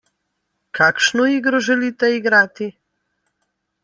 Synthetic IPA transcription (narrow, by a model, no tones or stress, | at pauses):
kʰaːkʃnoiːɡɾoʒɛliːt̪ɛiɡɾaːt̪i